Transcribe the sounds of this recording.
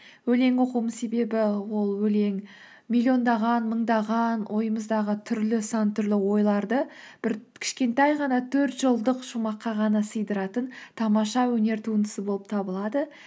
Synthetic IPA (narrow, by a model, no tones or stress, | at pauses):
wɵle̞ŋwo̞qumənse̞be̞bɪwo̞lˠwɵle̞ŋ | mʲilʲːijo̞nd̪ɑʁɑnməɴd̪ɑʁɑnwʔo̞jəməzd̪ɑʁət̪ʰʏɾlɪsɑnt̪ʰʏɾlɪwo̞jlˠɑɾd̪ə | b̥ɪɾkʲʰɪ̥ʃkʲe̞nt̪æjʁɑnɑt̪ʰɵɾt̪ʒ̥əlˠd̪əqʃumɑqːɑʁɑnɑsəjd̪əɾɑt̪ənt̪ʰɑmɑʃɑwɵne̞ɾt̪ʰuənd̪ə̥səbo̞lˠəp̚t̪ʰɑbəlˠɑd̪ə